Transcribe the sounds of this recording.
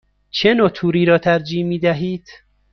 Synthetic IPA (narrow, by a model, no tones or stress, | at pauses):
t͡ʃʰenoːt̪ʰuːɾiːɾɒːt̪ʰæɾd͡ʒiːmiːd̪æɦiːd̪̥